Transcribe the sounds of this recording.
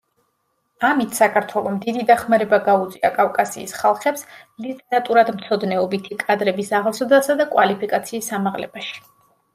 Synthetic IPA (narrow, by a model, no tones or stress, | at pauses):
amit̪ʰsakʰaɾt̪ʰwɛlˠɔmd̪id̪id̪aχmaɾɛbaɡaut̪sʼia̰kʼafkʼasḭːsχalˠχɛpslit̪ʼɛɾat̪ʼuɾad̪mt̪sʰɔd̪nɛɔbit̪ʰikʼad̪ɾɛbisaʁlˠsɔd̪asad̪akʼwalipʰikʼat̪sʰiːsːamaʁlɛ̰baʃi̥